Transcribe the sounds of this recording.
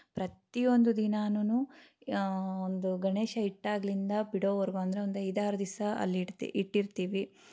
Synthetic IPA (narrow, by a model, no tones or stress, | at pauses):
pɾɐt̪ijo̞nd̪ud̪inaːnunu | ond̪uɡɐɳeːʃɐiʈːaːɡɐlind̪ɐbiɽoːʋɐɾɡuɐnd̪ɐɾeond̪uɐjd̪aːɾɐd̪isɐɐ̰lːḭiʈːiɾt̪iːʋi